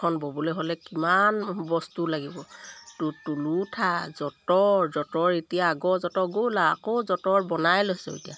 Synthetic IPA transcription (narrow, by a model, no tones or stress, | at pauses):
ɔnbɔbɔlɛɦolɛkimanbɔstulaɡibɔtutulutʰazɔtɔɹzɔtɔɹetijaːɡɔzɔtɔɡola̰ːkozɔtɔɹbɔnajloɦsɔ̰ḛtija̰